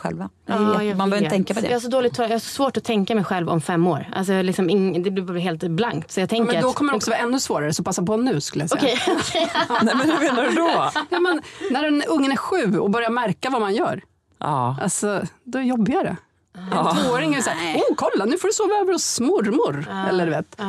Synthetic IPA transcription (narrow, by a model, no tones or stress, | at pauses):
ɧɛ̰lva | ɑːjmanœːɾʰɛŋkːapɔd̪ɛ̰jːhaʂ̬ɔd̪oːlɪt̪ʰːɔːjahaʂɔ̥svoːʈɔt̪ʰɛŋkamɛjɧɛlvɔ̰mfɛmːoːɾʔa̰ls̬ɔjɑaɭɪksɔmɪŋd̪ɛblɪbːvaɦeːlt̪blaŋkt̪sɔjɑɡt̪ʰɛŋkmɛəɾaɔkʰɔməɾɔkssɔvɑːɛnːɵsvoːɾaɾəsɔpasːapɔnːʉ̟ːskɵləjasɔɛ̰kʰɛjʰ | nɛmɛnmeːnaɾʉd̪ɔj̪ɛmɛnnæɾɛnɵŋːənæɾɧʉ̟ːɔbœɾjamæɾkavamanjœ̰ːɾ | ʔa̰lsɔd̪ɔjɔbːɪɡaɾə̰ | voːoːɾɪŋɛɾsaːɾuːkʰɔlːanʉ̟ːfɔɖɵsoːvaøːvəɾɔsmʊɾmʊɾɛlːəɖʉveːt̪ː